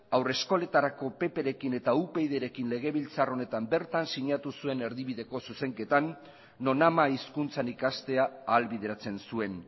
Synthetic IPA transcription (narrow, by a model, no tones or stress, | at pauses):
awre̞sko̞le̞t̪aɾako̞pe̞pe̞ɾe̞kine̞t̪aupe̞jðe̞ɾe̞kinle̞ɣ̞e̞β̞ilt͡saro̞ne̞t̪ambe̞ɾt̪ansiɲat̪usue̞ne̞ɾðiβiðe̞ko̞suse̞ŋke̞t̪anː | o̞namaiskunt͡sanikast̪e̞aːlβið̞e̞ɾat͡se̞nsue̞n